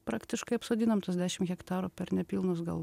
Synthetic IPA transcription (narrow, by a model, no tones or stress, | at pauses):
pɾɑːkt̪ʲɪʃkɐɪɐpsoːd̪ʲɪnɐmt̪ɐsd̪ʲæːʃʲɪmɣʲɛkt̪ɑːɾupʲɛɾnʲɛpʲiːlˠnʊsɡɐ̰lˠʋ